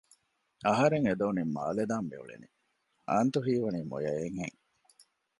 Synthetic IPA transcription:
ɐɦɐɾeŋed̪oːnimːa̰ːled̪aːmʋḛṵɭḛnḭ | a̰ːnt̪uɦiːʋɐnimo̰jɐeŋhḛŋ

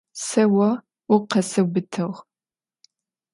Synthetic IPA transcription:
sɐwɐ | ʊqɐsɐbɨtʰɨʁ

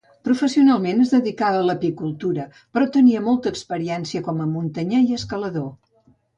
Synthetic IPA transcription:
pɾufəsiunalˠmenəzðəðikaβəːləpikulˠt̪uɾə | pɾɔt̪əniəmɔlˠt̪əːkspəɾiɛnsiəkɔməmunt̪əɲeiəskələðo

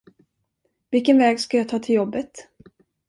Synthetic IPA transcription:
vɪlkənvɛːɡskajat̪ʰɑːt̪ʰɪljɔbːət̪

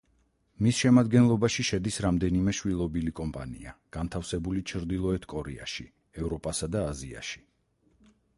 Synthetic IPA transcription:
misʃɛmad̪ɡɛnlˠɔbaʃiʃɛd̪isɾamd̪ɛnimɛʃwilˠɔbilikʼɔmpʼa̰nḭaɡ̥ant̪ʰafsɛbulit͡ʃʰɾd̪ilˠɔɛt̪ʰkʼɔɾɛ̰a̰ʃi | ɛvɾɔpʼasad̪aːzia̰ʃi̥

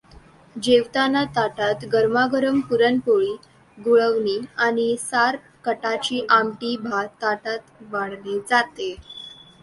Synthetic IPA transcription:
d͡ʑeʋt̪anat̪aʈat̪ɡəɾmaɡəɾəmpuɾənpoɭiː | ɡuɭəʋɳiːaɽ̃isaɾ | kəʈat͡ɕiːʔamʈiːbʱat̪aʈat̪ʋaɽlid͡zat̪e

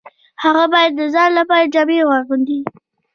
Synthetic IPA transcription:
haɣabɑjad̪ːəzɑnlapɑɾad͡ʒabewaɾɣund̪i

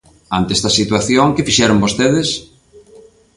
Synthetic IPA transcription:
ant̪eɛst̪ɐsit̪waθjoŋkɪfiʃɛɾʊmbost̪eðɪs

